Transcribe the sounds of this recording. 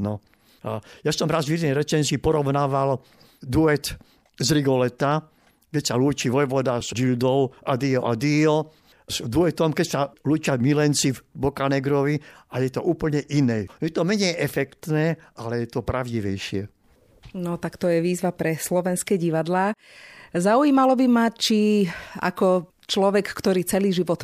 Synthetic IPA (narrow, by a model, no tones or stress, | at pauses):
nɔ | ajasɔmɾazvjɛd̪nɛjɾɛt͡ʃɛnsipɔɾɔʊnaːʋal | d̪uɛt̪ | zɾiɡɔlɛt̪a | kɛcsaluːt͡ʃiʋɔjʋɔd̪azd͡ʒild̪ɔʊʔad̪iɔʔad̪iɔ | zd̪uɛt̪ɔmkɛcsaluːt͡ʃɪamilɛnt͡sivbɔkanɛɡɾɔʋiajɛt̪ɔʔuːpl̩ɲɛʔinɛːjɛt̪ɔmɛɲɛjʔɛfɛkt̪nɛːalɛjɛt̪ɔpɾaʊɟiʋɛjʃɪɛ | nɔt̪akt̪ɔjɛʋiːzʋapɾɛslɔʋɛnskɛɟiʋad̪laː | zauiːmalɔbimat͡ʃia̰kɔ | t͡ʃlɔʋɛkkt̪ɔɾiːt͡sɛliːʒiʋɔt̪